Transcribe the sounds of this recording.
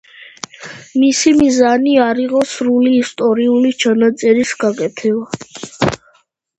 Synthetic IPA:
misimizaniaɾiʁɔsɾuliːst̪ʼɔɾiulit͡ʃʰanat̪sʼɛɾisɡakʼɛt̪ʰɛba

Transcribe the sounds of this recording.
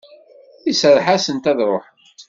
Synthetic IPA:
isəɾˤħasənt̪æðɾˤoħ

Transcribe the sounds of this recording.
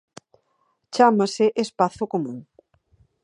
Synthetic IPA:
t͡ʃamasɪʔespaθʊkomũŋ

